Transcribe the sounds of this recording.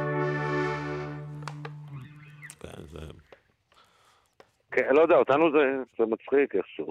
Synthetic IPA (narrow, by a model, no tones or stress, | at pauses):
kḛnz̰ | kelod̪eaot̪anuzɛzɛmat͡sχikeχʃu